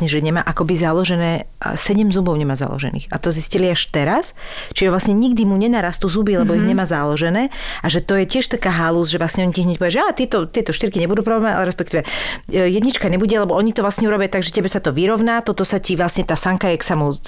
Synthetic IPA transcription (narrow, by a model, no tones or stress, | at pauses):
ɲɛʒɛɲɛma̰ːʔakɔbizalɔʒɛnɛ̰ː | sɛɟɛmzubɔʊɲɛmaːza̰lɔ̰ʒɛ̰nḭːxa̰t̪ɔzisciliaʃt̪ɛɾast͡ʃiʒɛʋlasɲɛɲiɡd̪imuɲɛnaːɾast̪uːzubilɛbɔiɦɲɛmaːzalɔʒɛnɛːaʒɛt̪ɔjɛcɪɛʃt̪akaːɦaluzʒɛʋlasɲɛɔɲiciɦɲɛc̚pɔʋiaʒɛat̪ɪɛt̪ɔt̪ɪɛt̪ɔʃt̪iɾkiɲɛbud̪uːpɾɔblɛmʋaɛa̰lɛɾɛspɛkt̪iʋɛjɛd̪ɲit͡ʃkaɲɛbuɟɛalɛbɔɔɲit̪ɔʋlasɲɛuɾɔbijat̪aɡʒɛcɛbɛsat̪ɔʋiɾɔʊnaːt̪ɔt̪ɔsaciʋlasɲɛt̪aːsaŋkajɛksamu